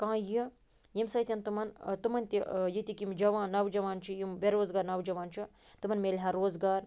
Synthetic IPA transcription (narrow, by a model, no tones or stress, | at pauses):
kãːji | jimsɐt̪ʲɐnt̪ɨmɐnt̪ɨmɐnt̪ʲijit̪ʲikimd͡ʒɐʋãːnɐʋd͡ʒɐʋaːnt͡ʃʰijimʋeɾoːzɡaːɾnɐwd͡ʒɐʋaːnt͡ʃʰi | t̪ɨmɐnmelʲɦɐɾoːzɡaːɾ